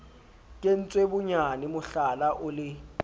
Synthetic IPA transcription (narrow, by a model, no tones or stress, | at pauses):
kʼen̩t͡sʼwebʊɲanɪmʊɬalaʔʊlɪ